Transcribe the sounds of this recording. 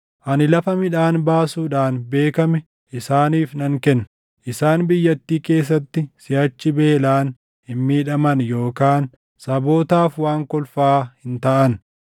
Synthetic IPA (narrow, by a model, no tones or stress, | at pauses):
ʔɐnɪlɐfɐmɪᶑaːnbaːsuːᶑaːnbe̞ːkɐmɛ | ʔɪsaːniːfnɐŋkɛnː | ʔɪsaːnbɪjːɐt̪ːiːke̞ːs̬ːɐt̪ːɪsɪjɐt͡ʃːɪbe̞ːlaːn | hɪnmiːᶑɐmɐnjo̞ːkaːn | sɐbo̞ːt̪aːfwaːŋkɔlfaːhɪnt̪ɐʔɐn